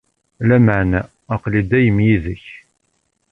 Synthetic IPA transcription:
læmaʕnæː | qlid̪æjəmjiðəç

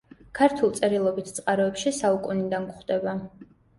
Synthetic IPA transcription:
kʰaɾt̪ʰulˠt̪sʼɛɾilˠɔbit̪ʰt̪sʼqʼaɾɔɛpʃisaukʼunid̪ankχd̪ɛba

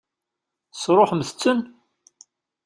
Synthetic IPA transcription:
sɾˤoħəmθət͡sːən

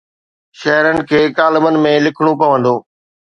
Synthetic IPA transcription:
ʃɐɦɾənɪ̆kʰeːkaːlɪmənɪ̆mẽlɪkʰɽ̃opɐʋə̃nd̪oː

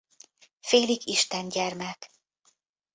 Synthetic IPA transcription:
feːlikiʃt̪ɛnɟɛrmɛk

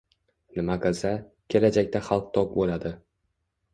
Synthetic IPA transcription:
nɪmaqʰɨlˠsa | kʲʰe̞lad͡ʒakʲt̪aχɑlˠq̚t̪ʰɒk̚bolad̪ɪ

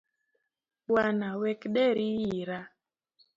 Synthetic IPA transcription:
wanawɛkɗɛɾijiɾa

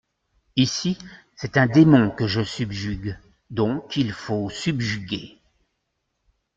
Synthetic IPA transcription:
isi | sɛt̪ɛ̃d̪emɔ̃kəʒəsybʒyɡ | d̪ɔ̃kʰilfosybʒyɡʲe

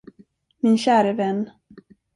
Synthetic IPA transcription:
mɪnɕæːɾəvɛnː

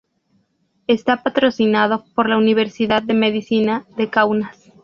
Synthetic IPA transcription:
est̪apat̪ɾo̞sinaðopo̞ɾlauniβ̞e̞ɾsiðað̚de̞meðisinaðe̞kawnas

